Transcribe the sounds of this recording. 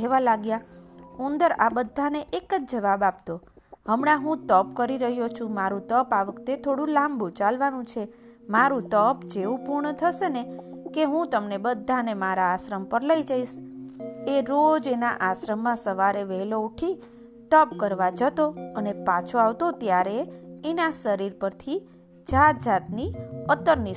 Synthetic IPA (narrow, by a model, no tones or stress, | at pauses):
eʋalaɡjaund̪əɾabəd̪ʱːaneʔekəd͡ʒd͡ʒəʋabap̚t̪o | ɦəmɳãɦũt̪əpkəɾiɾəɦjot͡ʃʰũmaɾũt̪əpaʋəkt̪et̪ʰoɽũlambut͡ʃalʋanũt͡ʃʰe | maɾũt̪əpd͡ʒeʋũpuɾɳət̪ʰəʃene | keɦũt̪əmnebəd̪ʱːanemaɾaːʃɾəmpəɾləid͡ʒaiʃ | eɾod͡ʒenaʔaʃɾəmːãsəʋaɾeʋɛɦlouʈʰi | t̪ɔpkəɾʋad͡ʒət̪oənepat͡ʃʰoaʋt̪ot̪jaɾeːnaʃəɾiɾpəɾt̪ʰi | d͡ʒat̪̚d͡ʒat̪niət̪ːəɾni